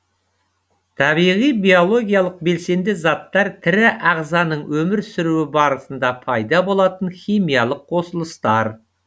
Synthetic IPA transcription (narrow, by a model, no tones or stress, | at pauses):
t̪ʰɑβijʁijbio̞lˠo̞ɡʲijalˠəq̚be̞lse̞nd̪ɪzɑt̪ːɑɾt̪ʰɪɾɪʔɑʁzɑnəɴwɵmɪɾsɪɾuɪbɑɾəsənd̪ɑpʰɑjd̪ɑbo̞lˠɑt̪ənχʲijmijɑlˠəqʰːo̞səlˠəst̪ɑɾ